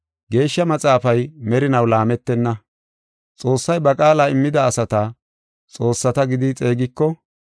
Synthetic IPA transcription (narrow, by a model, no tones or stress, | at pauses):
ɡe̞ːʃːɐmɐt͡sʼaːfɐjmɛɾɪnɐwlaːmɛt̪ːɛnːɐ | t͡sʼo̞ːsːɐjbɐkʼaːlaɪmːɪd̪ɐːsɐt̪ɐ | t͡sʼo̞ːsːɐt̪ɐɡɪd̪ɪt͡sʼe̞ːɡɪkːɔ